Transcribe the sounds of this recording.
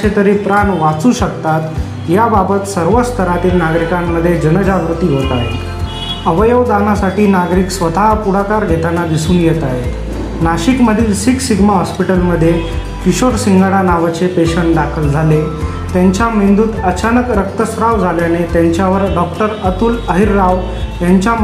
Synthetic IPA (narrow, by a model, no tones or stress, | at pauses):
t͡ɕʰet̪əɾiːpɾanʋat͡suːɕəkt̪at̪ | jababət̪səɾʋəst̪ʰəɾat̪iːlnaɡɾikamːəd̪ʱːjed͡ʑənəd͡ʑaʋɾut̪iːɦot̪aɦḛt̪ | əʋəjəʋd̪anasaʈiːnaɡɾiːksʋət̪aɦpuɽakaɾɡʱet̪anad̪isuːnjet̪aɦet̪ | naɕikməd̪ʱiːlsiksiɡʱmaɦɔspiʈəlməd̪ʱːje | kiɕoɾsiŋɡəɽanaʋat͡sepeɕəɳʈɖakʰəld͡zʱale | t̪jaɲt͡ɕjamind̪uːt̪ət͡ɕanəkɾək̚t̪əsɾaʋd͡zʱaljanet̪jaɲt͡ɕjaʋəɾɖɔkʈəɾət̪uːləɦiɾːaʋ | t̪jaɲt͡ɕja